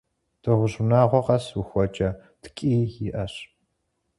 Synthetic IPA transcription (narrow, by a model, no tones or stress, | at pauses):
d̥ɨʁʷʊʑnaːʁʷɔqɐswuxʷɔt͡ʃʼɐ | tʰkʼiːiʔɐɕ